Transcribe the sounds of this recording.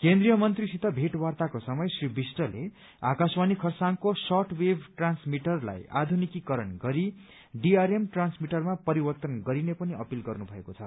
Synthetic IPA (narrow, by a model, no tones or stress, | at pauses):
kend̪rijʌmʌnt̪risit̪ʌbʱeʈwart̪akosʌmʌjsribʱisʈʌlḛ | a̰kaswanikʰʌrsaŋkosʌʈwebʱʈransmiʈʌrla̰ja̰d̪ʱunikikʌɾʌnɡʌɾi | ɖiaɾemʈransmiʈʌrmapʌɾibʌrt̪ʌnɡʌɾinepʌniʌpilɡʌrnubʱʌekot͡sʰʌ̰